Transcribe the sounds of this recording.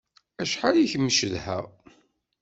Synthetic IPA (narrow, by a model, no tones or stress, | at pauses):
æʃħaliçəmːʃəðhə̰ʁ